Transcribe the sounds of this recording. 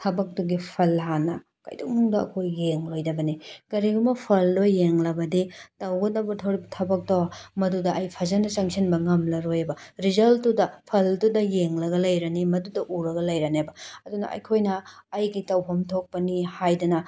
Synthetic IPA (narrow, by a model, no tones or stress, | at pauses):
tʰɐbɐk̚duɡipʰɐlɦanɐ̰ | kɐ̰jduŋŋdɐɐ̰kʰojːeŋlojdɐbɐnikɐɾiɡumɐpʰɐldojːeŋlɐbɐditɐwɡɐdɐbɐtʰɐwɾibɐtʰɐbɐk̚tɐwɐmɐdudɐʔːjpʰɐzɐnɐsɐŋsinbɐŋɐmlɐɾojebɐɾizɐlttːudɐpʰɐltudɐjeŋlɐɡɐlɐjɾɐnimɐdudɐʔuɾɐɡɐlɐjɾɐnebɐɐdunɐ̰ʔɐ̰jkʰojnɐːjɡitɐwpʰɐmtʰok̚pɐnihajdɐnɐ